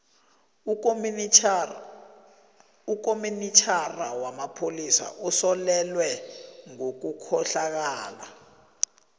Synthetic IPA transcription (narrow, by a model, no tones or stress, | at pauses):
uk̬ʼominitʰarawamapʰolisa̰ʔusɔlɛlwɛŋok̬ukʰɔɬak̬aːla